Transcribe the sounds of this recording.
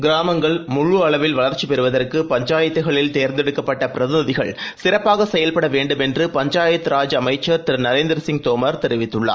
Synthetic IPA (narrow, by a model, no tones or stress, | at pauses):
ɡɪɾaːmɐŋɡɐɭmʊɻuɐɭɐʋɪlʋɐɭɐɾt͡ʃːipɛɾɯʋɐðɐrkɯpɐɲd͡ʒaːjɐt̪ːɯɣɐɭɪlt̪eːɾnd̪ɛɽɯkːɐpːɐʈːɐpɪɾɐðɪnɯðɪɣɐ̰ɭsɪɾɐpːaːɣɐsɛjɐlpɐɽɐʋeːɳɖɯmɛndrɯpɐɲd͡ʒaːjɐt̪ːɯɾaːd͡ʒɐmɐɪt͡ʃːɐɾt̪ɪɾnɐɾeːnd̪ɪɾɐsɪŋɡ̚t̪oːmɐɾt̪ɛɾɪʋɪt̪ːɯɭːa̰ː